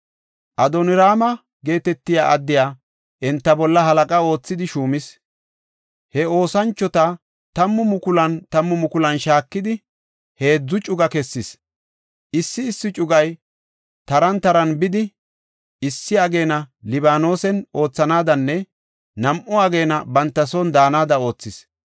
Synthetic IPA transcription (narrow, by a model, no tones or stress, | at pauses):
ʔɐd̪ɔnɪɾaːmɐ | ɡe̞ːt̪ɛt̪ːɪja̰ːʔɐd̪ːɪjaː | ʔɛnt̪ːɐbɔlːɐɦɐlɐkʼɐo̞ːt͡sːɪd̪ɪʃuːmɪs | hɛo̞ːsɐnt͡ʃːɔt̪ɐ | t̪ɐmːʊmʊkʊlɐnt̪ɐmːʊmʊkʊlɐnʃaːkːɪd̪ɪ | he̞ːd͡zːʊt͡ʃʼʊɡɐkɛsːɪs | ʔɪsːɪːsːɪt͡ʃʼʊɡɐj | t̪ɐɾɐnt̪ɐɾɐnbɪd̪ɪ | ɪsːɪɐɡe̞ːnɐlɪbaːno̞ːsɛno̞ːt͡sːɐnaːd̪ɐnːɛ | nɐmʔɔɐɡe̞ːnɐbɐnt̪ːɐsond̪aːnaːd̪ɐo̞ːt͡sːɪs